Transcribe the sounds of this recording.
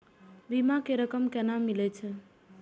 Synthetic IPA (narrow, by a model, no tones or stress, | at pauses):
bimakeɾəkəmkɛnamilɛt͡ʃʰɛ